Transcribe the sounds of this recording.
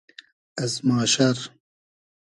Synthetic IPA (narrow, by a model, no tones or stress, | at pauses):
ɐzmaːʃɐɾ